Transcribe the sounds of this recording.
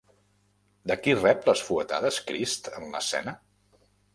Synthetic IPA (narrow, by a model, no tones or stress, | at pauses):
d̪əkirɛpləsfuət̪a̰ðəskɾist̪ənlə̰sɛ̰nə